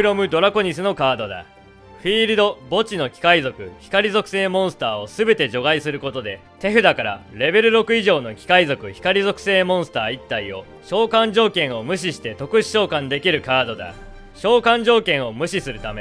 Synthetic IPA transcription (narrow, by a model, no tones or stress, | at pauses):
ɯɾo̞mɯ̟d̪o̞ɾako̞ɲ̟isɨno̞kaːd̪o̞d̪a̰ | ɸiːɾɯd̪o̞bo̞t͡ɕino̞kʲi̥kaizo̞kɯ̟çi̥kaɾʲizo̞kɯ̟̥se̞ːmõ̞ɰ̃sɨ̥t̪aːo̞sɨbe̞t̪e̞ʑo̞ɡaisɨɾɯ̟ko̞t̪o̞d̪e̞ | t̪e̞ɸɯ̟d̪akaɾa̰ɾe̞be̞ɾɯ̟ɾo̞kɯ̟iʑo̞ːno̞kʲi̥kaizo̞kɯ̟çi̥kaɾʲizo̞kɯ̟̥se̞ːmõ̞ɰ̃sɨ̥t̪aːit̪ːaio̞ | ɕo̞ːkãɲ̟d͡ʑo̞ːkẽ̞ɰ̃o̞mɯ̟ɕ̬iɕi̥t̪e̞t̪o̞kɯ̟ɕi̥ɕo̞ːkãnd̪e̞kʲiɾɯ̟kaːd̪o̞d̪a̰ | ɕo̞ːkãɲ̟d͡ʑo̞ːkẽ̞ɰ̃o̞mɯ̟ɕisɨɾɯ̟t̪ame̞̰